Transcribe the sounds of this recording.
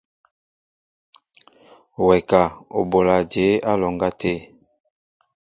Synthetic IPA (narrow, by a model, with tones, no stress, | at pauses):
wɛ˨ka˨o̰˨bo˨la˨d͡ʒe˨˦a˦lɔ˨ŋɡa˦te˦˨